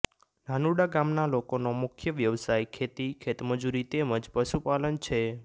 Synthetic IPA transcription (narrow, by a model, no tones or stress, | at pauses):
nʱanuɽaɡamnalokonomʊkʰjəʋjəʋsajkʰet̪ikʰet̪məd͡ʒuɾit̪eməd͡ʒpəʃupalənt͡ʃʰe